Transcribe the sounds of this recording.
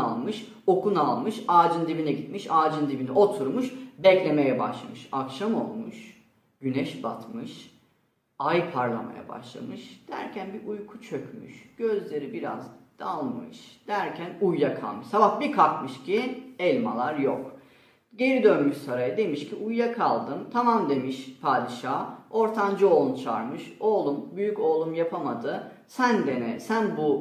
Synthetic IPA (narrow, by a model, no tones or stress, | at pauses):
alˠmɯʃ | o̞kunalˠmɯʃaːd͡ʒɯnd̪ibinɛɟit̪miʃaːd͡ʒɯnd̪ibinɛʔo̞t̪ʰuɾmuʃbɛclʲe̞mejɛba̰ʃlˠamɯʃakʃamo̞lˠmuʃ | ɟ̥ynɛʃba̰t̪mɯʃ | ajpʰaɾlˠa̰ma̰ja̰ba̰ʃlˠa̰mɯʃd̪̥æ̰ɾcʰænbiʔujkʰu̥t͡ʃʰø̞cmy̰ʃɟ̥ø̞zlʲe̞ɾibiɾa̰zd̪̥alˠmɯ̰ʃd̪̥æɾcʰænujːakʰa̰lˠmɯʃsabahbikʰakmɯʃcʰiɛlʲmalˠaɾjo̰k | ɟe̞ɾid̪ønmyʃsaɾajad̪e̞miʃcʰiʔujːakʰalˠd̪ɯmt̪ʰamamd̪e̞miʃpʰaːd̪iʃaːo̞ɾt̪ʰand͡ʒɯo̞ːlˠunt͡ʃʰa̰ɾmɯʃo̞ːlˠumbyjyco̞ːlˠumjapʰamad̪ɯ | sænd̪enɛsænbu